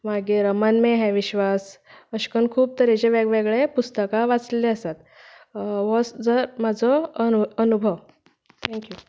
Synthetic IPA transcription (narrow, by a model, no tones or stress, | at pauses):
maɡeɾəmanmeɦɛ̃ʋiɕʋasəɕkənkʰuːb̚t̪əɾed͡ʑeʋeɡʋeɡɭepust̪əkaʋat͡sleleəsat̪̚ | ʋɔsd͡zəɾmad͡zʱɔənubʱəʋ | t̪ʰɛ̃ŋkju